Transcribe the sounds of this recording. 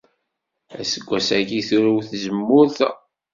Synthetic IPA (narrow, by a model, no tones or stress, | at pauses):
æ̰səɡʷːæsækiθuɾuwθzəmːʊɾθ